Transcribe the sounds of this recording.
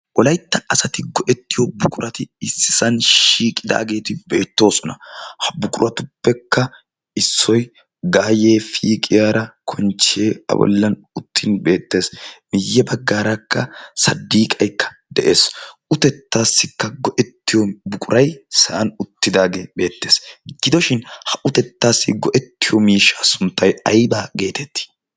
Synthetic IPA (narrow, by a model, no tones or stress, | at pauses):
wɔlɐjt̪ːɐɐsɐt̪ɪɡɔʔɛt̪ːɪjɔbʊkʼʊɾʔɐt̪ɪɪsːɪsɐnʃiːkʼːɪd̪a̰ːɡe̞ːt̪ɪbe̞ːt̪ːo̞ːsɔnɐhɐbʊkʼʊɾɐt̪ʊpːɛkːɐ | ɪsːɔj | ɡaːje̞ːfiːkʼɪjaːɾɐkʰɔnt͡ʃeːɐ̰bɔ̰lːɐn | ʊt̪ʰːɪnbe̞ːt̪ːe̞ːsmɪjːɛbɐɡːaːɾɐkːɐsɐd̪ːiːkʼɐjkːɐ̥ | d̪ɛʔeːsʊt̪ɛt̪ːaːsːɪkːɐɡɔʔɛt̪ːɪjɔbʊkʼʊɾʔɐjsɐʔɐnʊt̪ːɪd̪aːɡebe̞ːt̪ːe̞ːsɡ̥ɪd̪ɔʃɪnhɐʔʊt̪ɛt̪ːaːsːɪɡɔʔɛt̪ːɪjɔmiːʃːaːsʊnt̪ːɐjɐjbaːɡe̞ːt̪ɛt̪ːi̥